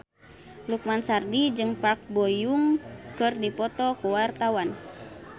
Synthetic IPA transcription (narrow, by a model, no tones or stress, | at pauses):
luk̚mansardid͡ʒɨŋpark̚bɔjuŋkɨrdipɔt̪ɔkuwart̪awan